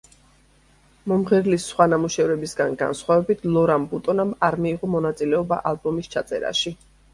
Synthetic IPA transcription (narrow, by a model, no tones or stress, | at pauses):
mɔmʁɛɾlisːχwanamuʃɛvɾɛbisɡanɡa̰nsχwavɛbit̪ʰlˠɔɾambut̪ʼɔnamaɾmiːʁɔmɔnat̪sʼilɛɔba̰ʔalˠbɔmist͡ʃʰat̪sʼɛ̰ɾa̰ʃi